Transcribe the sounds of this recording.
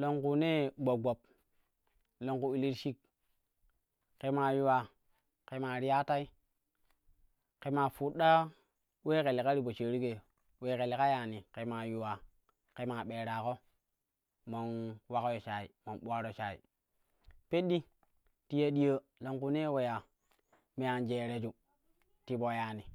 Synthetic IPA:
lo˨ŋku˨ne˦ɡ͡bo˨ɡo˨p̚ | lo˨ŋku˨i˨li˦ɾʃi˦k̚ | ke˨ma˨ju˨wa˨ | ke˨ma˨ɾi˦ja˦ta˦i˦ | ke˨ma˨fu˨ɗa˦ | we˦ke˨le˨ka˦ɾi˦˨bo˨t͡ʃe˨ɾi˦ke˨ | we˨˦ke˨le˨ka˦ja˨ni˨ke˨ma˨ju˨wa˨ | ke˨ma˨ɓe˨ɾa˨ko˦ | mo˨nwa˦ko˦jo˨t͡ʃa˨ḭ˨mo˨nɓu˦a˦ɾo˨t͡ʃa˨ḭ˨ | pe˦ɗi˦ | ti˦ja˦ɗi˦jə˦ | lo˨ŋku˦ne˦we˨ja˨ | me˨ja˨nd͡ʒe˨ɾe˨d͡ʒu˨ | ti˨bo˨ja˨ni˨

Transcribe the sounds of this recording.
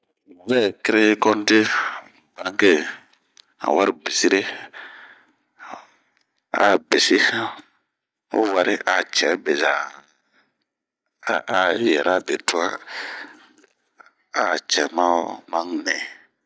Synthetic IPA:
mũ˨kɛ˦˨kɪ˦ɾe˦kɔ˦n˦te˦ | bã˨˦ŋ˦ke˦ | a̰˨wa˦ɾɪ˦bi˨si˦ɾe˦ | a̰˨bi˨si˦ | o̰˦wa˦ɾɪ˦ʔa˨t͡ʃɛ˨˦be˨za˨ | a˨jɛ˨ɾa˦˨be˨tu˦a˦ | a˨t͡ʃɛ˨mã˦mã˦ŋnɛ˨

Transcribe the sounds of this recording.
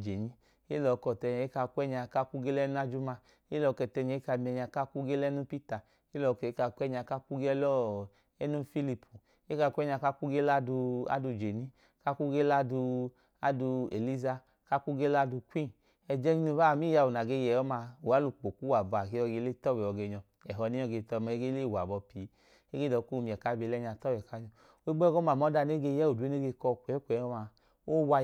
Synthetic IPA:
d͡ʒe˨ni˦ | e˦lɔ˨˧˨kɔ˨tɛ˧ɲ˨e˦ka˧kʷɛ˦ɲa˧ka˦ku˦ɡe˦lɛ˦nu˦a˦d͡ʒu˦ma˧ | e˦lɔ˨˧kɛ˧˨tɛ˧ɲɛ˨˦ka˧˨mi˧ɛ˧ɲa˧ka˦ku˦ɡe˦lɛ˦nu˦pi˦ta˨ | e˦lɔ˨˧kɛ˨˦ka˧kʷɛ˦ɲa˧˨ka˦ku˦ɡɛ˦lɔ˦ | ɛ˦nu˦fi˦li˧pʰu˨ | e˦ka˧kʷɛ˦ɲa˧˨ka˦ku˦ɡe˦la˦du˧a̰˦du˧˨d͡ʒe˨ni˦ | ka˦ku˦ɡe˦la˦du˧ | a˨˦du˧ḛ˨li˦za˧ | ka˧ku˦ɡe˦la˧du˧kʷi˦˨ | ɛ˧d͡ʒɛ˦ɲi˦nu˧˦ba˦˨mi˦ja˧˨u˨na˨ɡe˧jɛ˨ɔ˦ma˧u˨a˨˦lu˧k͡po˨ku˦wa˨bɔ˨a˨ke˧˦ɔ˧ɡe˧˦le˦tɔ˦wɛ˨ɔ˧˨ɡe˧ɲɔ˧ | ɛ˨ɦɔ˨˧ni˦ɔ˧ɡe˧˨tɔ˧ma˧e˦ɡe˦le˦˨wa˨bɔ˧pi˨˦ | e˦ɡe˦dɔ˨˦ku˦˨˧mi˨ɛ˨ka˦be˧lɛ˦ɲa˧˨tɔ˦wɛ˨ka˦ɲɔ˧ | o˦i˦ɡ͡bɔ˦ɡɔ˦ma˨mɔ˨˦da˧ne˦ɡe˧˨jɛ˦o˨du˨˦e˦ne˦ɡe˧kɔ˧kʷɛ˨˦kʷɛ˨˦ɔ˦ma˧ | o˦wa˧

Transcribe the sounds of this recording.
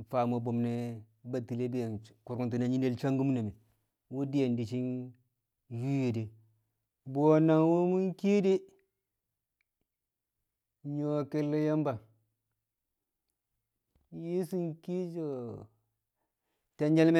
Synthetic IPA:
fa˨mo˨bo˨mne˦ | ba˨ti˨le˦bi˦je˨nku˨ɾku˦nti˨na˨ɲi˦ne˦lt͡ʃa˦ŋɡu˦m˦na˨mi˨ | wu˦di˦je˨ndi˨t͡ʃi˦n | ju˦je˨de˨ | bo˨na˨ŋwo˦mu˦ŋki˦di˦ | ɲo˨ke˦lːe˦ja˦mba˨ | ji˦si˦ŋki˦d͡ʒo˨ | te˦ɲd͡ʒe˦lme˦

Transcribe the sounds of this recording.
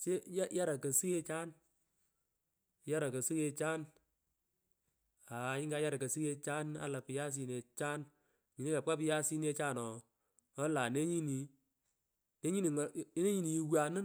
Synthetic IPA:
t͡ʃe˦ja˦ja˦ɾa˨kə˨si˦e˦t͡ʃa˦n | ja˦ɾa˨kə˨si˦ke˧t͡ʃaː˦n | a˨ɲɪ˦ŋɡa˦ja˦ɾa˨kə˨si˦ke˧t͡ʃa˦na̰˨˦la˨pɪ˨ja˦s̬i˨ne˨t͡ʃaː˦n | ɲi˨ni˦ka˨p̚ka˦pɪ˦ja˦si˦ne˦t͡ʃa˦˨nɔ˨ | ɔ˦la˨ne˦ɲi˦ni˨ | ne˦ɲi˦ni˨ŋ˨˦ne˦ɲi˦ni˨ji˨wa˨nɨ˦

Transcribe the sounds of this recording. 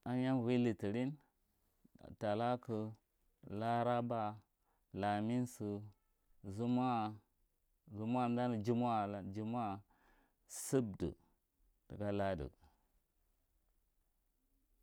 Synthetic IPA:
a˦ja˦n˨wi˦li˨ti˨ɾi˦n˨ | ta˨la˦kə˨ | la˦ɾa˦ba˦ | la˨mi˦nsə˨ | zu˦ma˦ | zu˦m˦a˦˨n˦da˦nə˨d͡ʒi˦m˦a˦˨d͡ʒi˦m˦a˦ | sə˦b̚də̰˨ | tə˨ka˦la˦də̰˨

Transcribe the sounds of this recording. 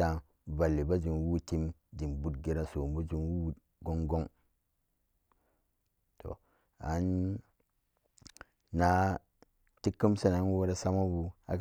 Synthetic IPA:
a˨ | ba˨lːi˨ba˦d͡ʒi˨nwu˦ti˦mdi˨mbu˦tɡe˦ɾa˦so˨m˦bu˦d͡ʒi˨nwu˦ | ɡo˦ŋɡo˦ŋ | tʰo̰˨ | a̰˨˦n | na˨˦ | ti˦kːi˦msa˦na˨˦nwo˦ɾa˦sa˦ma˦bu˨a̰˨k

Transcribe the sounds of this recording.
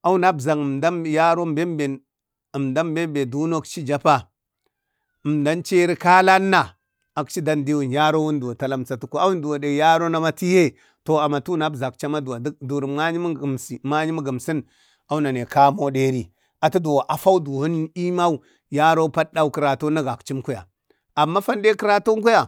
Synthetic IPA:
a˦wu˦na˦bza˨ŋ˨mda˦mja˦ɾo˦mbe˦mbe˨ | mda˦mbe˦mbe˨du˦no˦kt͡ʃi˦d͡ʒa˦pa˦ | ə˨m˨da˦nt͡ʃe˦ɾi˦ka˦la˦nːa˨ | a˨kt͡ʃi˦da˦ndi˦wu˨nja˦ɾo˦wu˦ndu˨a˨ta˦la˦mt͡sa˨tu˨ko˦a˦wu˦n˦du˨wa˨de˨ja˦ɾo˦na˦ma˦ti˦je˦ | to˨a˨ma˨tu˦na˦˨za˨k̚t͡ʃa˦ma˦da˨˦du˨ɾi˨mŋa˦ɲi˦˨msi˨ma˦ɲi˦mu˦ɡə˨msi˦n | a˦wu˦na˨ne˨ka˦mo˦de˦ɾi˦ | a˨tu˦do˨wa˨ʔa˨fa˦u˦du˨hu˦n˦i˦ma˦u˦ | ja˦ɾo˦pa˦da˦u˦kə˨ɾa˨to˦na˦ɡa˨kt͡ʃi˦mku˦ja̰˨ | a˨mːa˦fa˦nde˦ki˦ɾa˦to˦ŋ˦ku˦ja˨

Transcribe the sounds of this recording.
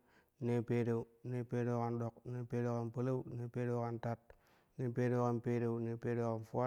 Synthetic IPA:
ne˦pe˦ɾe˨u˨ne˦pe˦ɾe˦ka˨nɗo˨k̚ne˦pe˦ɾe˦ka˨npə˦la˦ne˨pe˦ɾe˦wka˦nta˦˨t̚ | ne˦pe˦ɾe˦ka˦npe˦ɾe˨wne˨pe˦ɾe˦ka˨nfu˦a˦

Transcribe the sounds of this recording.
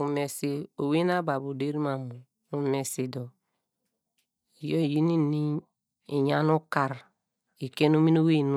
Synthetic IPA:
u˨me˨si˦o˨we˦na˦ba˨bu˨de˦ɾi˦ma˨mu˨ | u˨˦me˨si˨dɔ˨ | i˨jo˦˨ji˦ni˦ni˦ | i˨ɲa˦nu˦ka˨ɾ | i˨ke˦no˦mi˦no˦we˦˨n˦

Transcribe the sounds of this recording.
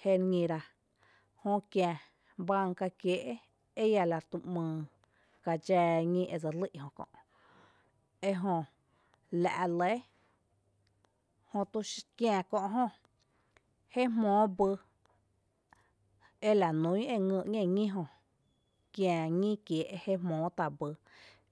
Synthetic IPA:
he˦˧ɾɲĩ˧ɾa˧ | hõ˧kjã˧˨ | bã˧ŋka˧kje˨ʔe˦ | e˦ja˧la˧t̪u˧mɨ̃ː˨˧˨ | ka˧d͡ʒɛː˧ŋĩ˦ʔe˧˨d͡za˧li˦ʔhõ˧˨kɔ̰̃˧˨ʔ | e˧ɦõ˧ | la̰˨ʔle˨˦ | hõ˧t̪u˧kjã˧˨kɔ̃˧ʔɦõ˧ | he˦mmõː˨˦bɨ˧ | e˦la˨nũ˨˦ĩ˦e˧ŋə̃˧ʔŋẽ˧˨ŋĩ˦ɦõ˧ | kjã˧˨ŋĩ˦kje˨ʔe˧he˦mɔ̃ː˨˦t̪a˧˨bɨ˧

